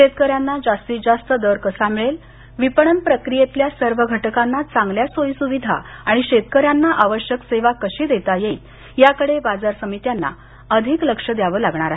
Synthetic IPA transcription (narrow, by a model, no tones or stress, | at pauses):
ɕet̪̚kəɾjanːad͡zast̪iːd͡zast̪əd̪əɾkəsamiɭel | ʋipəɳənpɾəkɾijet̪ljasəɾʋəɡʱəʈəkanːat͡sãŋɡljasojsuʋid̪ʱa̰aɽ̃iɕet̪kəɾjanːaʔaʋəɕjəkseʋakəɕiːd̪et̪aje | jakəɽebad͡zaɾsəmit̪janːa̰ | əd̪ʱikləkʂəd̪jaʋəlaɡɳ̃aɾaɦe